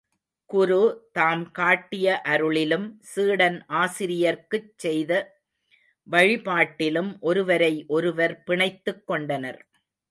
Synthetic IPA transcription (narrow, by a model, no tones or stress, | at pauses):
kʊɾut̪aːmkaːʈːɪjɐʔɐɾɯɭɪlɯmsiːɽɐnʔaːsɪɾɪjɐɾkɯt͡ʃːɛjðɐ | ʋɐɻɪpaːʈːɪlɯmʔɔɾɯʋɐɾɐɪʔɔɾɯʋɐɾpɪɳɐɪt̪ːɯkːɔɳɖɐnɐɾ